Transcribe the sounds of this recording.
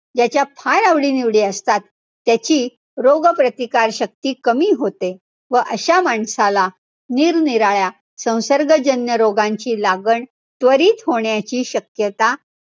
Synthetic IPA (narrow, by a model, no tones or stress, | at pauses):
d͡ʑat͡ɕjapʰaɾaʋɽiːniʋɽiːəst̪at̪ː | jat͡ɕiː | ɾoɡpɾət̪ikaɾɕək̚t̪iːkəmiːɦot̪e | ʋəʔəɕamaɳsala | niːɾniɾaɭja | sə̃w̃səɾɡəd͡ʑənjəɾoɡãɲt͡ɕiːlaɡəɳ | t̪ʋəɾiːt̪ɦoɳjat͡ɕiːɕəkjət̪a